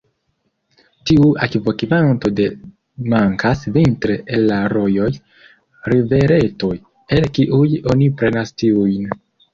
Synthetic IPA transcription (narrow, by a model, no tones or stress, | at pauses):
tiuakvo̞kimanto̞de̞ | maŋkʰasvintɾe̞ʔelːaɾo̞jo̞j | ɾive̞ɾe̞to̞j | e̞lkiʔujo̞nipɾe̞nastiujn